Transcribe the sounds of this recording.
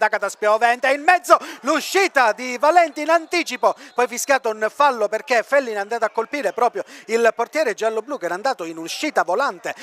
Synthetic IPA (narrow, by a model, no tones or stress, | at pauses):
d̪akat̪aspjovɛnt̪einmɛd̪zːoluʃːiːt̪ad̪ivalɛnt̪iːnant̪iːt͡ʃipopɔjfiskjaːt̪ʊunfalːoperk̟efɛlːinand̪aːt̪oakːolpiːɾepɾɔːpɾjoilport̪jɛːɾed͡ʒalːobluːkɛːɾand̪aːt̪oinuʃːiːt̪avolant̪e